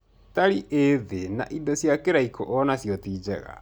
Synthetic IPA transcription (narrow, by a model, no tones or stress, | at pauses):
taɾiʔeðena̰ʔidɔsjakeɾaikʰɔʔɔnasjɔtiːd͡ʒɛ̰ɣa̰